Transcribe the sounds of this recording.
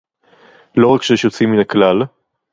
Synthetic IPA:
lo̞ʁakʃejɛʃjot͡siminaklal

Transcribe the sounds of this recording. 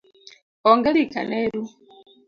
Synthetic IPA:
ɔŋɡɛlika̰neɾu

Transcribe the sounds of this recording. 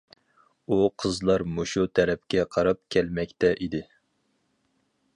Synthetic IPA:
uqʰəzlˠɑɾmoʃut̪ʰɛɾɛp̚kʲɛqʰɑɾɑp̚kʲʰɛlmɛkʲt̪ɛʔid̪ɪ

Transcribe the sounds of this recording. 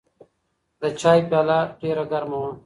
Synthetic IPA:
d̪ət͡ɕaːipjaːlaːʈeːɾɐɡɐɾmõ

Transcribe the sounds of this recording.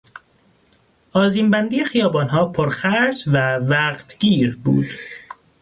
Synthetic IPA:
ɒːziːmbænd̪iːje̞xijɒːbɒːnɦɒːpʰoɾxæɾd͡ʒvævæqt̪ʰɡ̥iːɾbṵːd̪̥

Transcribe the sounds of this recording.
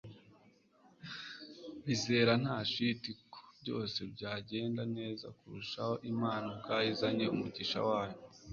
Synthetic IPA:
βize̞ːɾan̥haːʃitikʰo̥bɟo̞̰ːse̞bɟaːɟe̞ːndane̞ːza̰kuɾuʃaho̞ʔimaːnob̚ɡaːjizaɲe̞umuɟiʃa̰waːjo

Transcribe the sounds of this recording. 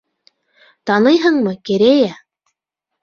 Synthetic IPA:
t̪ɑnɤjɦɤɴmɤkɘ̆ɾæjæ

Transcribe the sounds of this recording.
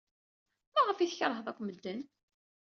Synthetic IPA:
mæʁəfiθçəɾˤɦəðˤækʷːməd̪ːən

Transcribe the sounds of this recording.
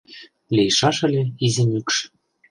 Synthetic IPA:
lʲejʃɑʃɤ̆lʲĕizĕnʲykʃ

